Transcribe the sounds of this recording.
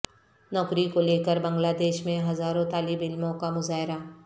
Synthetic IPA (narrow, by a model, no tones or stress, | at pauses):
nɔːkɾikoleːkəɾbɐ̃ŋɡlaːd̪eːʃmẽɦɐzaːɾõt̪aːlɪbɪlmõkamʊzaːɦɪɾa